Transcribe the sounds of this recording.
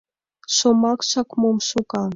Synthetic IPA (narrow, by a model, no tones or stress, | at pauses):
ʃomɑkʃɑkmomʃukɑ